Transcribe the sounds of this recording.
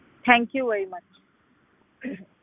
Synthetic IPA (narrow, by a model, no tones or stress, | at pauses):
t̪ʰɛ̃ŋkjuʋɛɾimʌt͡ʃ